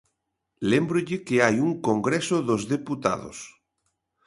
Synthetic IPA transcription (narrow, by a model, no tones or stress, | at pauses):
lembɾʊʎɪkeajuŋkoŋɡɾesʊðozðeput̪a̰ðo̰s